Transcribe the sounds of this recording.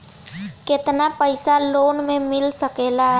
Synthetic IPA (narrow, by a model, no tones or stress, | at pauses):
kɪt̪napəɪsaloːnmẽmɪlsəkeːlaɦ